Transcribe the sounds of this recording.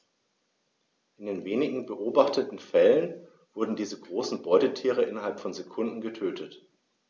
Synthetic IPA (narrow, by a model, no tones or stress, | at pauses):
ʔɪndeːnveːnɪɡŋ̩bəʔoːbaχtʰətn̩fɛlən | v̥ʊɐdn̩diːzəɡʁoːsn̩bɔʏtətʰiːʁ̞əʔɪnɐɦalpfɔnzekʰʊndn̩ɡətʰøːtʰət